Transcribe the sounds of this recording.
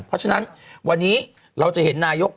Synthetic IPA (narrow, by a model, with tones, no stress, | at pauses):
pʰɾɔ˦˥t͡ɕʰa˧na˦˥nwa˧nːiː˦˥ | ɾa˧wt͡ɕa˨˩he˩˦nːaː˧jo˦˥k̚